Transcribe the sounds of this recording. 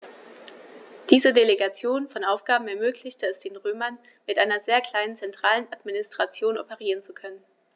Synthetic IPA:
d̥iːzədeleɡat͡sjoːnfɔnʔaʊfɡ̥aːbm̩ɛɐmøːklɪçtəɛsd̥eːnʁøːmɐn | mɪtʔaɪnɐzeːɐkl̥aɪnənt͡sɛntʁ̥aːlənatminɪstʁ̥at͡sjoːnɔ̰pəʁ̞iːʁ̞ənt͡sukʰœnən

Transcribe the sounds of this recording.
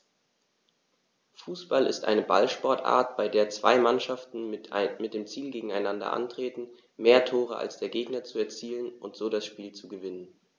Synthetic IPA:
fuːsb̥alɪ̰stʔa̰ɪnəba̰lʃpɔɐtʔa̰ːɐtb̥aɪdeːɐt͡sv̥a̰ɪmanʃaftn̩mɪt̚d̥eːmt͡siːlɡeːɡŋ̩aɪnandɐ̰ʔa̰ntʁ̥eːtn̩ | meːɐtʰoːʁ̞ə̰ʔa̰lsd̥eːɐɡeːɡnɐt͡suɛɐt͡siːlənʔʊntz̥oːdasʃpiːlt͡suɡəvɪnən

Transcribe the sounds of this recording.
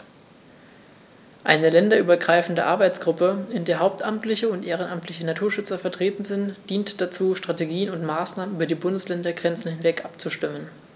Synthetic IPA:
ʔa̰ɪnəlɛndɐʔyːbɐɡʁaɪfn̩dəʔa̰ɐbaɪt͡sɡ̥ʁʊpəɪndeːɐɦaʊp̚tʔamtlɪçəʊntʔeːʁ̞ənʔamtʰlɪçənatʰuːɐʃʏt͡sɐfɛɐtʁ̥eːtn̩zɪntd̥iːntd̥at͡suːʃtʁ̥ateɡiːənʊntmaːsnaːmənʔyːbɐdiːbʊndəslɛndɐɡʁɛnt͡sn̩hɪnvɛkʔapt͡suʃtɪmən

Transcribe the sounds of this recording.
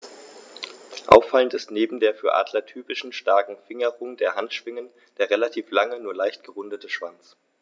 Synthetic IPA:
ʔa̰ʊfːaləntɪstneːbm̩deːɐfyːɐʔa̰ːdlɐtʰyːpɪʃn̩ʃtaɐkŋ̩fɪŋəʁʊŋdeːɐhantʃv̥ɪŋən | d̥eːɐʁelatʰiːflaŋənuːɐlaɪçtɡ̥əʁʊndətʰəʃv̥ant͡s

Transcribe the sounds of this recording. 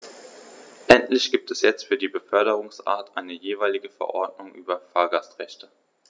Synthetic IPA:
ʔɛntlɪçɡ̥iːp̚tʰɛsjɛt͡stfyːɐdiːbəfœɐɾəʁ̞ʊŋsʔa̰ːɐtʔaɪnəjeːvaɪlɪɡəfɛ̰ɐʔɔɐdnʊŋʔyːbɐfaːɐɡastʁɛçtʰə

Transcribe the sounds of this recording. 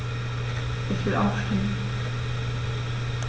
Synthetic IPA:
ʔɪçv̥ɪlʔaʊfʃtɪmən

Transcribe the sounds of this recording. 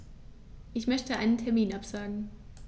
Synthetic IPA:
ʔɪçmœçtəʔaɪnəntʰɛɐmiːnapz̥aːɡŋ̩

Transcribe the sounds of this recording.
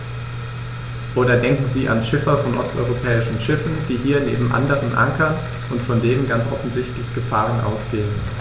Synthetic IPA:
ʔoːdɐdɛŋkŋ̩ziːʔa̰nʃɪfɐfɔnʔɔ̰stɔ̰ʏʁopʰɛːɪʃn̩ʃɪfn̩d̥iːɦiːɐnḛːbm̩ʔa̰ndəʁənʔa̰ŋkɐn | ʊntfɔndeːʁənɡant͡sʔɔ̰fn̩zɪçtlɪçɡ̥əfaːʁ̞ənʔa̰ʊsɡ̥eːən

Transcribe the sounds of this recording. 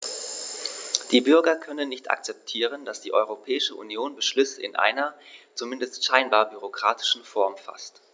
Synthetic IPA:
d̥iːbʏɐɡɐkʰœnənːɪçtʔa̰kt͡sɛp̚tʰiːʁ̞ənd̥asd̥iːʔɔʏʁ̞opʰɛːɪʃəʔṵnjoːnbəʃlʏsəɪ̰nʔa̰ɪnɐt͡sumɪndəstʃaɪnbaːɐbyʁokʁ̥aːtɪ̥ʃn̩fɔɐmfa̰st

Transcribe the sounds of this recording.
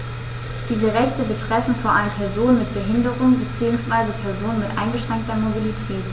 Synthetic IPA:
d̥iːzəʁɛçtəbətʁ̥ɛfn̩foːɐʔaləmpʰɛɐzoːnənmɪt̚b̥əɦɪndəʁʊŋbət͡siːʊŋsv̥aɪzəpʰɛɐzoːnənmɪtʔa̰ɪnɡəʃʁ̥ɛŋk̚tɐmobilitʰɛːt

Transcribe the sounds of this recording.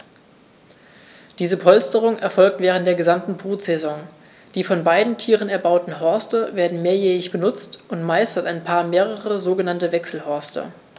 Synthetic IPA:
d̥iːzəpʰɔlstəʁ̞ʊŋʔɛɐfɔlk̚tv̥ɛːʁ̞ənt̚d̥eːɐɡəzamtn̩bʁuːtz̥ɛzɔŋ | d̥iːfɔnbaɪdn̩tʰiːʁənɛɐbaʊtn̩ɦɔɐstəveːɐdn̩meːɐjɛːɪçb̥ənʊt͡stʔʊntmaɪstɐtaɪnpʰaːɐmeːʁəʁəzoːɡənantəvɛksl̩hɔɐstɐ̰

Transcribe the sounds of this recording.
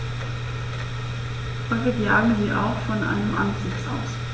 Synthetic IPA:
fɔlɡəɡjaːɡm̩ziːʔa̰ʊxfɔnʔa̰ɪnəmʔanzɪt͡sʔa̰ʊs

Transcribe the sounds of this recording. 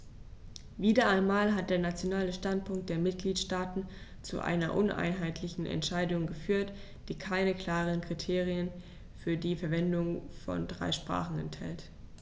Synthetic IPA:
viːdɐʔaɪnmaːlɦat̚d̥eːɐnat͡sjonaːləʃtant̚pʰʊŋk̚t̚d̥eːɐmɪt̚ɡ̥liːtʃtaːtn̩t͡sṵʔa̰ɪnɐ̰ʔʊnʔa̰ɪnɦaɪtʰlɪçn̩ʔɛ̰ntʃaɪdʊŋɡəfyːɐt | d̥iːkʰaɪnəkl̥aːʁ̞ənkʁ̥itʰeːʁiən | fyːɐdiːfɛɐvɛndʊŋfɔ̰ndʁa̰ɪʃpʁ̥a̰ːχn̩ɛ̰nthɛ̰lt

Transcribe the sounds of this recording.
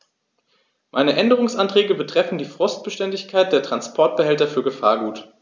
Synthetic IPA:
mʔa̰ɪnəʔɛndəʁ̞ʊŋsʔantʁ̥ɛːɡəbətʁ̥ɛfn̩diːfʁ̥ʊst̚b̥əʃtɛndɪçkʰaɪt̚d̥eːɐtʁ̥anspʰɔɐt̚b̥əhɛltɐfyːɐɡəfa̰ːɐɡuːt

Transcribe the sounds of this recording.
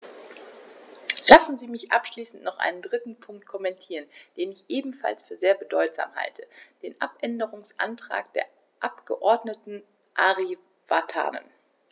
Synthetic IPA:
lasn̩ziːmɪçʔapʃliːsn̩tnɔχʔa̰ɪnəndʁɪtn̩pʰʊŋk̚t̚kʰɔmɛntʰiːʁənd̥eːnɪçʔeːbm̩fa̰lsfyːɐzeːɐbədɔʏtz̥a̰ːmha̰ltʰəd̥eːnʔapʔɛndəʁʊŋsʔa̰ntʁ̥a̰ːk̚d̥ḛːɐ | ʔapɡ̥əʔɔɐdnətn̩ | ʔaʁi | v̥atʰa̰ːnə̰n

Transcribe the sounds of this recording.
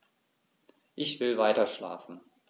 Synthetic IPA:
ʔɪçv̥ɪlvaɪtɐʃla̰ːfn̩

